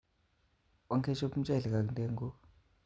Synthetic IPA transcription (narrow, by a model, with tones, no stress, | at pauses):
ɔ˦ŋkʰɛ˦t͡ʃo˦pm̩˦t͡ʃʼɛ˦˨ɮɛ˨ka˨k̬ntʼɛ˦ŋɡɔ˦